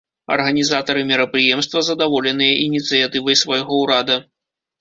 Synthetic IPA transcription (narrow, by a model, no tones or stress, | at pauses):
ɐ̰rɣɐnʲizat̪ɐɾɨmʲɛɾɐpɾɨjɛmst̪vɐzɐd̪avɔlʲɛnɨjɐʔinʲit̪sɨjat̪ɨvɐjsvajɣɔwɾad̪ɐ